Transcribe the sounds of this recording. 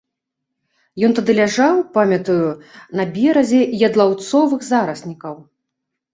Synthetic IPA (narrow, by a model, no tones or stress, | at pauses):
jɔnt̪ad̪ɨlʲaʐawpamʲɐt̪ujunɐbʲɛɾɐzʲɛjɐd̪lˠawt̪sɔvɨɣzaɾɐsʲnʲikɐw